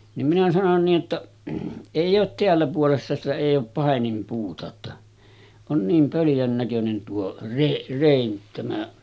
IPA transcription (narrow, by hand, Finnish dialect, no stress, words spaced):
nim minæ sɑnon niːʔ ʔetːæ eˑijˑ oːt teælːæ puolesːɑ sitæ eˑij oːp pɑˑenimpuːtɑ otːɑ on niːm pøljæn nækønen tuo re reˑin tæmæ